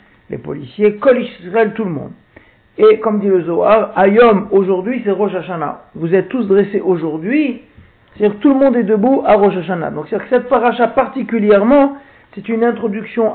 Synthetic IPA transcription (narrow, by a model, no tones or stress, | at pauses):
lḛpɔ̰lisjekɔliʃʁɛlt̪uləmɔ̰̃d̪ | ekɔmd̪iləzɔaʁajɔmoʒuʁd̪ɥisɛʁɔʃaʃana̰vuzɛt̪ːusd̪ʁeseʔoʒuʁd̪ɥi | sɛ̥t̪ad̪iʁkt̪uləmɔ̃d̪ɛd̪əbuʔaʁɔʃaʃana̰d̪ɔ̃ksɛad̪iʁksɛt̪̚paʁaʃapaʁt̪ikʲyljɛʁmɑ̃ | sɛt̪ynɛ̃t̪χɔd̪yksjɔ̃